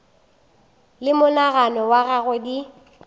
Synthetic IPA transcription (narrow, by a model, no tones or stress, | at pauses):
lɪmʊnaɣanɔwaɣaɣʊdi